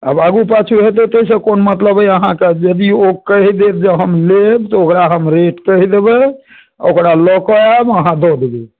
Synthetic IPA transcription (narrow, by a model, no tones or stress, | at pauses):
ə̰baɡupat͡ʃʰuɦet̪ot̪əisə̃konmət̪ləbəəɦãked͡ʒəd̪iokəɦid̪et̪̚d͡ʒeɦəmlebt̪ɔokɾaɦəmɾeʈkəɦid̪ebɛ | okɾalɔkɔabəɦãd̪ɔd̪ebi